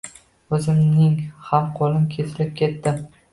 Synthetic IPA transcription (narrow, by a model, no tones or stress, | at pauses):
ɵzɪmnɪŋhamqʰɒlɪmkʲʰe̞sɪlɪp̚kʲe̞t̪ːɪ